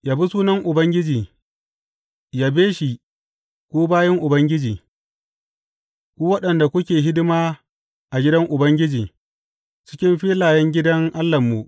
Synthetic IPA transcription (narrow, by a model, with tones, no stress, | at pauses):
jaː˨bi˦suː˦nɐ˦ŋʔʊ˨bɐ˦ŋɡʲɪ˦d͡ʒiː˨ | jaː˨beː˦ʃi˨ | kʷoː˦baː˦jɐ˦ŋʔʊ˨bɐ˦ŋɡʲɪ˦d͡ʒiː˨ | kʷoː˦wɐ˦ɗɐ˨nda˨kʷʊ˦kʲeː˨ɦɪ˦dɪ˦maː˦ | ʔa˨ɡʲɪ˦dɐ˦ŋʔʊ˨bɐ˦ŋɡʲɪ˦d͡ʒiː˨ | t͡ʃɪ̥˦kʲɪ˦mɸiː˦laː˨jɛ˦ŋɡʲɪ˦dɐ˦ŋʔa˦lːɐ˨mːu˨ʔ